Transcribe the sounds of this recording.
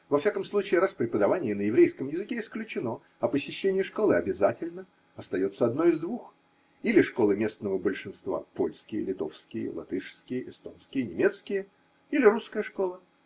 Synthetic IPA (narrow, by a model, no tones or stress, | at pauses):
vɐfsʲakəmslˠut͡ɕɪːɾaspɾʲɪpəd̪ɐvanʲɪjənəjɪvɾʲejskəmjɪzɨkʲeɪsklʲʉt͡ɕɪno̞ | ɐpəsʲɪɕːenʲɪjəʂko̞lˠɨɐbʲɪzatʲɪlʲnə | ɐst̪ɐjo̞t̪səɐd̪no̞ɪzd̪vux | ilʲɪʂko̞lˠɨmʲe̞snəvəbəlʲʂɨnst̪va̰po̞lʲskʲɪjə̰lʲɪt̪o̞̰fskʲɪjə̰lˠɐ̰t̪ɨʂskʲɪjəʔɪst̪o̞nskʲɪjənʲɪmʲe̞t̪skʲɪjə | ilʲɪɾuskəjəʂko̞lˠə